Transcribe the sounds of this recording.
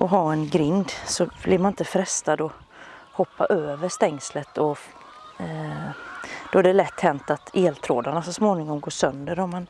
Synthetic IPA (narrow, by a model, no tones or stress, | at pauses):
ʔɔɦaɛnɡɾɪnd̪sɔblɪɾmanɪnt̪əfɾɛst̪ad̪ɔ | hɔpːa̰ʔøːvəʂt̪ɛŋslət̪ʰɔ | d̪̥ɔæɖɛlɛt̪ːhɛnt̪at̪eːlt̪ʰɾoːd̪aɳasɔsmoːnɪŋɔmɡoːʂœnd̪əɾɔmːan